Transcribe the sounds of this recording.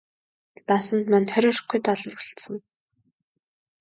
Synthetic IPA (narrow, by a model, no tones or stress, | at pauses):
pasə̆nt̪manχœɾʲɔːrχɡujt̪ɔɮɞ̆ruɬt̪sə̆ŋ